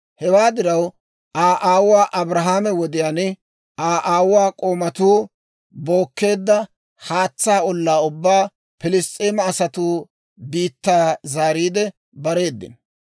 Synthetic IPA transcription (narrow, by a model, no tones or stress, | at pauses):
hɛwaːd̪ɪɾɐw | ʔaːʔaːwwaːʔɐbɾɐɦaːmɛwɔd̪ɪjaːnɪ | ʔaːʔaːwʊwaːkʼo̞ːmɐt̪uː | bo̞ːkːe̞ːd̪ːɐ | haːt͡sːaːɔlːaːʊbːaː | pɪlɪstʼːeːmɐːsɐt̪uː | biːt̪ːaːzaːɾiːd̪ɛ | bɐɾe̞ːd̪ːɪ̰n